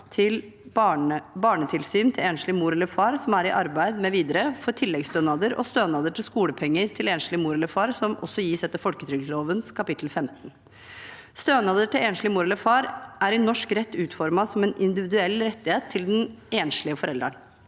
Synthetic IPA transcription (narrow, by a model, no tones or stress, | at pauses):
t̪ʰɪl | bɑːɳət̪ʰɪlsyːnt̪ʰɪleːnʂɭɪmuːɾɛlːəfɑːɾsɔmæɾɪʔɑɾbæɪd̪mɛʋiːd̪əɾəfɔʈʰɪlːɛɡst̪øːnɑːd̪əɾɔ̰st̪øːnɑːd̪əʈʰɪlskuːləpʰɛŋːəɾʈʰɪleːnʂlɪmuːɾɛləɾfɑːɾsɔmʔɔ̰sːɔjiːsɛt̪ːəfɔlkət̪ʰɾʏɡsloːʋənskʰɑpɪt̪ʰl̩fɛmt̪n̩ | st̪øːnɑd̪əʈɪleːnʂlɪmuːɾɛləfɑːɾʔæɾɪnɔʂkɾɛt̪ʰːʉːt̪fɔɾmɑsɔmɛnɪnd̪ɪʋɪd̪ʉɛlːɾɛt̪ːɪheːt̪ʰːɪld̪ɛneːnʂɭɪəfɔɾɛld̪ɾəɳ